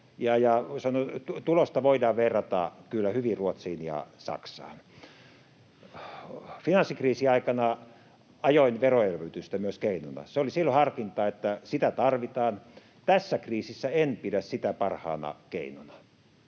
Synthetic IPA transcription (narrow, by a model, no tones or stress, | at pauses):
jɑjɑsɑnotut̪ulost̪ɑʋoidɑːʋʋerːɑt̪ɑ̰kylːæhyʋiruot̪siːnjɑ̰sɑ̰ksɑ̰ːn | finɑnsːikriːsiɑikɑnɑ | ɑjoinʋeroelʋøyt̪yst̪æmyøskeinonɑ̰seolisilːohɑrkint̪ɑːet̪ːæsit̪æt̪ɑrʋit̪ɑːn | t̪æsːækriːsisːæenpidæssit̪æpɑrhɑ̰ːnɑ̰kḛinonɑ̥